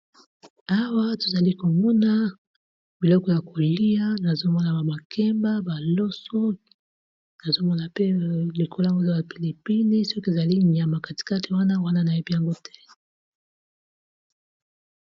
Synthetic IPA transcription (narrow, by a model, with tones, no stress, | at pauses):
a˦wa˦to̥˨za˨li˦ko˨mɔ˦na˦ | bi˨lɔ˦kɔ˦ja˨ko˨li˦a˦na˨zo˦mɔ˦na˨ba˨ba˨kʰɛ˦mba˦ba˨lɔ˦sɔ˦ | na˨zo˦mɔ˦na˨pe˦li˨kʰo˦lja˦ŋɡo˦za˦ba˨pi˨li˨pi˦ni˦sɔ˦ki˦e˨za˨li˦ɲa˨ma˨ka˨ti̥˨ka˦te˨wa˦na˦wa˦na˦na˨je˦bi˦ja˨ŋɡo˦tʰɛ˦